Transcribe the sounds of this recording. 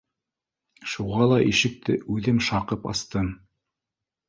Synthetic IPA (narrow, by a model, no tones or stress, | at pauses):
ʃuʁɑlˠɑʔiʃɘ̆k̚t̪ɘʉðɘmʃɑqɤpɑ̰st̪ɤm